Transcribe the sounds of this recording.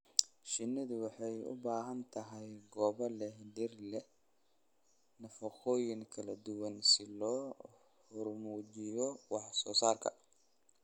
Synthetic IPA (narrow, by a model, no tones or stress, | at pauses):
ʃɪnːɪðʊwɑħɑjʊ̰baːɦɐnt̪ʰɐɦɛjɡɔːβɐlɛhɖɪrlɛ | nɐfɐχɔːjɪŋkʰɐlɐd̪ʊwɐnsɪlɔː | hʊrmuːt͡ʃɪjɔwɑħsɔːsaːrkʰɐ̰